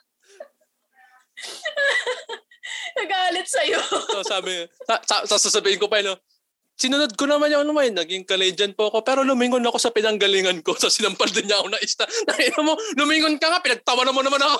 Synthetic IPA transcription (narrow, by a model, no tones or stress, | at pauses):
nɐɡaːlɪt̪̚sɐjoosaːbɪsasasaːsasɐbiːhɪŋko̞pɐɪno | sɪnʊnod̪̚konɐmanjʊŋɐnɐmɐjnɐɡɪŋkɐlɛjd͡ʒɐnpoɐko̞pɛːɾo̞lʊmiŋonɐko̞sɐpɪnɐŋɡɐliːŋɐnko̞sɐsɪnɐmpɐld̪ɪɲɲaʔɐkonɐʔɪst̪anɐŋɪnɐmolʊmiŋonkɐŋapɪnɐɡ̚t̪ɐwɐnɐmonɐmanɐko